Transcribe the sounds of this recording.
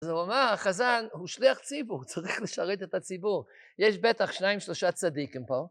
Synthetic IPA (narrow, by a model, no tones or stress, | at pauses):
zoamaχazanhuːʃliaχt͡sibuʁt͡sʁiχlɪʃaʁeɪt̬atat͡sibuʁ | jɛʃbɛtaχʃnaɪmʃlˠoʃat͡sadikɪmpɔlˠ